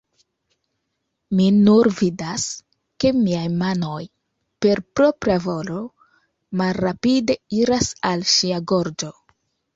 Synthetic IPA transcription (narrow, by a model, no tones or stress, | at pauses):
minuɾvidas | ke̞miajmano̞j | pe̞ɾpɾo̞pɾavo̞lo̞ | malːapide̞iɾasalʃiaɡo̞ɾd͡ʒo̞